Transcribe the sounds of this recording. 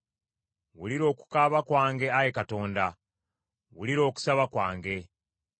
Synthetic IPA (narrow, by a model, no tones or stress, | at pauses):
wuliɾo̞ːku̥kaβakwaːŋɡe̞ajekato̞ːnda | wuliɾo̞ːku̥saβakwaːŋɡe̞